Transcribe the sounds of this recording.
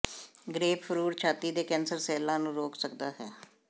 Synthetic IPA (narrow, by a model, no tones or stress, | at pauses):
ɡɾeːppʰəɾuːɾt͡ʃʰaːt̪iːd̪eːkɛ̃ːnsəɾsɛːlãːnũːɾoːksəkd̪aːɦɛː